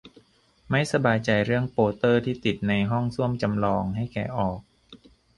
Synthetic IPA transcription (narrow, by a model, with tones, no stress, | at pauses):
ma˥˩jsa˧baː˧jt͡ɕa˧jɾɯ˥˩əŋpoː˧t̪ɤː˥˩t̪ʰiː˥˩t̪i˨˩t̪̚na˧jɦɔ˥˩ŋsu˥˩əmt͡ɕa˧mlɔː˧ŋɦa˥˩jkɛː˨˩ʔɔː˨˩k̚